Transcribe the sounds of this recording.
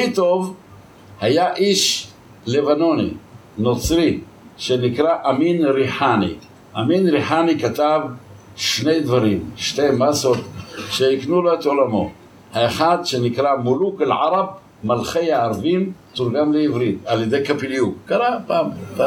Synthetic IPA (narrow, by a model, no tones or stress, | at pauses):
it̪o̞v | hajaʔiʃ | le̞vano̞nḭ | no̞t͡sʁi | ʃenikʁaʔaminʁiħanḭ | ʔaminʁiħanikat̪av | ʃne̞jd̪vaʁimʃte̞jmasot̪ʃeiknuloet̪o̞lamo̞̰ | haeχad̪ʃe̞nikʁamuluklʕa̰ɾab̚ | malχe̞jaːɾvint̪uɾɡanveivʁit̪aljed̪e̞jkapiliukkaɾapaːmpa